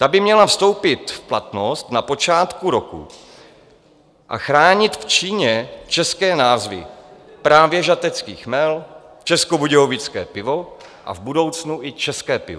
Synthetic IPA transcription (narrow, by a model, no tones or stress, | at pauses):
t̪abɪmɲɛlafst̪o̞wpɪt̪fplat̪nost̪napo̞t͡ʃaːt̪kuɾokṵ | ʔa̰xɾaːɲɪt̪ft͡ʃiːɲɛt͡ʃɛskɛːnaːzvɪ̰pɾaːvjɛʒat̪ɛt͡skiːxmɛl | t͡ʃɛskobuɟɛovɪt͡skɛ̰ːpɪvo̞ | ʔa̰vbudo̞wt͡snuʔɪt͡ʃɛskɛːpɪ̰vo